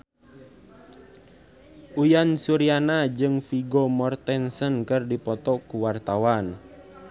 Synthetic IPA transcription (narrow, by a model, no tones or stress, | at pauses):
ʔujansuɾianad͡ʒɨŋfiɡɔmɔrt̪ɛnsənkɨrdipɔt̪ɔkuwart̪awan